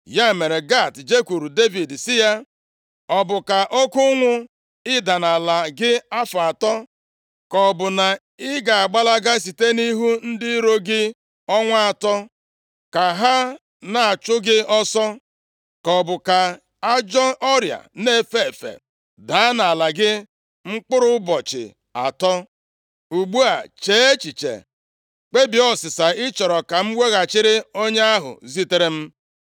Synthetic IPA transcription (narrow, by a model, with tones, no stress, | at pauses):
ja˦˨me˨ɾe˨ɡa˦˨td͡ʒe˦kʷu˨ɾu˨de˦vi˨dsɪ˦ja˦ | ɔ˨bʊ˨ka˨ʔɔ˦kʊ˦ŋʷʊ˦ | ɪ˦da˨na˨la˨ɡɪ˦a˦fa˨tɔ˦ | kɔ˨bʊ˨na˨ | ɪ˦ɡa˨a˨ɡ͡ba˦la˦ɡa˦s̬i˨te˦ni˦ɦu˦n̩˦dɪ˦ɾo˦ɡɪ˦ | ɔ˦ŋʷ˦a˨tɔ˦ | ka˨ɦa˦ | na˨a˨t͡ʃʊ˦ɡɪ˦ɔ˦sɔ˦ | kɔ˨bʊ˨ka˨ | a˦d͡ʒɔ˦ʔɔ˦ɾja̰˨ne˦˨fe˦˨fḛ˨ | da˨˦a˦na˨a˨la˨ɡɪ˦ | ŋ͡m̩˦k͡pʊ˦ɾʊ˦bɔ˨t͡ʃɪ̰˨ | a̰˨tɔ˦ | u˨ɡ͡bu˦a̰˨t͡ʃeː˨˦e˦t͡ʃi˨t͡ʃḛ˨ | k͡pe˦bi˨ɔ˦sɪ˨sa˨ɪ˦t͡ʃɔ˨ɾɔ˨ka˨m̩˦we˦ɣa˨t͡ʃɪ˦ɾɪ˦o˦ɲe˦a˦ɦʊ̰˨zi˦te˦ɾe˦m̩˦